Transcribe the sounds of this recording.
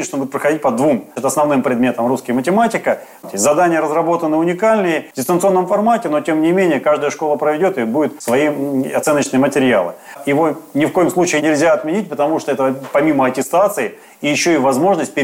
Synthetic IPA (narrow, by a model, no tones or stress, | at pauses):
ɪʂt̪obud̪ʲɪt̪pɾəxɐdʲit̚ʲpɐd̪vumt̪ɐsnɐvnɨmpɾʲɪd̪mʲe̞t̪əmruskəjəmətʲɪmatʲɪkə | t̪ʲezɐd̪anʲɪjəɾəzɾɐbo̞t̪ənːɨʊnʲɪkalʲnɨjədʲɪst̪ənt̪sɨo̞nːəmfɐrmatʲɪno̞tʲemnʲɪmʲenʲɪjəkaʐd̪əjəʂko̞lˠəpɾəvʲɪdʲo̞t̪ɨbudʲɪt̪svɐiɐt̪sɛnːət͡ɕnɨjəmətʲɪɾʲɪalˠɨ̰ | jɪvo̞nʲɪfko̞jɪmslˠut͡ɕɪːnʲɪlʲzʲaɐt̪mʲɪnʲit̚ʲpət̪ɐmuʂt̪oɛt̪əpɐmʲiməɐtʲɪst̪at̪sɨɪ | ijɪɕːoivɐzmo̞ʐnəsʲt̚ʲpʲɪ